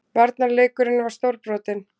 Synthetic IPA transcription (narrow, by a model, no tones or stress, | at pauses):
vaɾt̪naɾleːjkʏɾɪnːvaɾ̥st̪owɾpɾɔːt̪ɪn